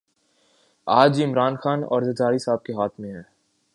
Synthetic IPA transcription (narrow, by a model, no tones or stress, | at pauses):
aːd͡ʒɪmɾaːnxaːnɔ̰ːɾzɐd͡ʒaːɾisaːb̚keɦaːt̪ʰmẽɦɛː